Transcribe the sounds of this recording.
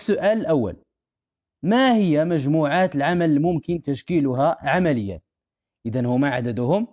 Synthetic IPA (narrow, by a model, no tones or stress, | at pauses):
sːʊʔæːləlʔawːa̰l | mahɪjːamæʒmuːʕaːt̪əlʕamælmʊmkɪnt̪æʃkiːlʊɦaʕamælɪjːa̰ | ʔɪðænhʊmaʕad̪æd̪ʊhʊm